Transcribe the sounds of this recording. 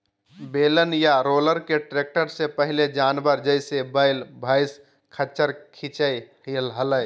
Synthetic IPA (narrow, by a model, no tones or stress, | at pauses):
beːlənjaɾoːləɾkeʈɾeːk̚ʈəɾsepəɦɪled͡ʒaːnbəɾd͡ʒəɪsebəɪlbʱəɪs | kʰət͡ʃəɾkʰit͡ʃəjhilɦələj